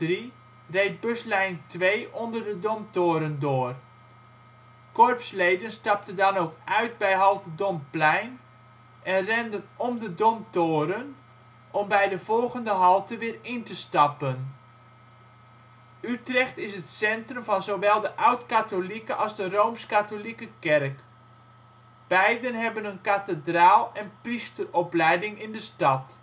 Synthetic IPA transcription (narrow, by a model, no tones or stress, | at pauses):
ri | rejt̚bøslɛjntʋejʔɔndərdədɔmtoːɾəndʊːər | kɔrpslejdənstɑp̚təndɑnoːkœɥt̚bɛjɦɑlˠtədɔmplɛjn | ʔɛnrɛndənɔmdədɔmtoːɾən | ʔɔmbɛjdəv̥ɔlˠɣəndəɦɑlˠtəʋɪːrɪntəstɑpən | ytrɛxtɪsətsɛntrəmvɑnzowʋɛlˠdəʔawtkatolikəʔɑlˠzdərowmskatolikəkɛrk | b̥ɛjdənɦɛbənənkatədraːlˠɛnpristərɔplɛjdɪŋɪndəstɑt